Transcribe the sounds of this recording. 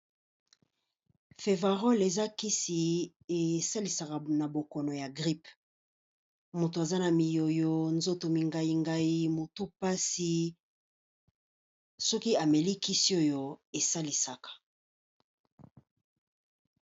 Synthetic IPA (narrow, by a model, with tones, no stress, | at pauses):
fe˨va˨ʁo˦le˨za˦ki˦si˨ | e˨sa˦li˨sa˨ka˨na˨bo˨kɔ˨nɔ˨ja˨ɡʁi˦p | mo˨to˨a˨za˦na˨mi˨jo˨jo˦nzo˦to˨mi˨ŋɡa˦i˨ŋɡa˦i˦mo˨tu˦pa˦si˦ | sɔ˦ki˦a˨me˨li˦ki˦si˦o˦jo˦e˨sa˦li˨sa˨kḁ˨